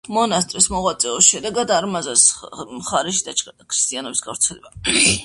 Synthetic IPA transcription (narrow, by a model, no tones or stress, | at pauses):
mɔnast̪ʼɾismɔʁwat̪sʼɛɔsʃɛd̪ɛɡad̪aɾmazasmχaɾɛʃ̬id̪at͡ʃkʰɾi̥st̪ʼianɔbisɡafɾt̪sʰɛlɛba